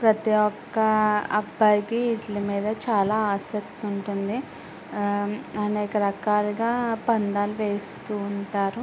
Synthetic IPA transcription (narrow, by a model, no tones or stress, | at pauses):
pɾɐt̪iɔkːɐɐbːajkiːʈlɐmiːd̪ɐt͡ʃaːlaːaːsɐk̚t̪uɳʈund̪i | ɐnɛːkɐɾɐkaːlɐɡaːpɐɳɖaːluʋe̞ːst̪uːɳʈaːɾu